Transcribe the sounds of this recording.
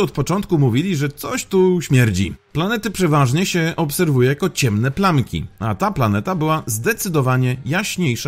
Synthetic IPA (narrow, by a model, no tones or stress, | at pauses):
ɔt̪̚pɔt͡ʂɔnt̪kumuvʲilʲiʐɛt̪sɔɕt̪uɕmʲjɛɾd͡ʑḭplanɛt̪ɘpʂɛvaʐɲɛɕɛʔɔpsɛɾvujɛjakɔt͡ɕɛmnɛplamkʲḭat̪aplanɛt̪abɘwazd̪ɛt̪sɘd̪ɔvaɲɛjaɕɲejʂa